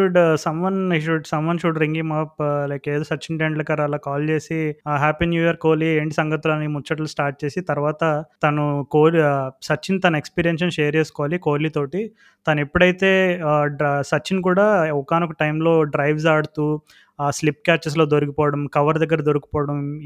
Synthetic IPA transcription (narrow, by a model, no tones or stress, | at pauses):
ʃuɖsɐmʋɐniʃuɖsɐmʋɐnʃuɖɾiŋɡimɐplɐjkeːd̪oːsɐt͡ʃːinʈeɳɖlɐkɐɾalaːkaːlt͡ʃe̞ːsiɦaːpinjuːjɐɾko̞ːlieːɳʈisɐŋɡɐt̪ːulɐnːimut͡ʃːɐʈɐlusʈaːɾʈ̚t͡ʃe̞ːsit̪ɐɾʋaːt̪ɐt̪ɐnukoːlsɐt͡ʃːint̪ɐnɐekspiːɾijenʂɐnʃeːɐɾeːsu̥kɔʋaːlikoːlit̪oːʈi | t̪ɐnɐepːuɽɐjt̪e̞ː | sɐt͡ʃːink̬uːɽaːukaːnukuʈɐjmlo̞ːɖɾɐjʋs̬aːɽut̪uː | slipkaːt͡ʃɐs̬lo̞ːd̪oɾukipɔːʋɐɽɐmkɐʋɐɾd̪ɐɡːɐɾɐd̪oɾuki̥pɔːɐɽɐm